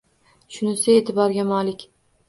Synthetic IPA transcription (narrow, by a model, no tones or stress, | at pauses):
ʃʊnɪsɪeːt̪ʰɪbɒɾɡʲamɒlɪkʲ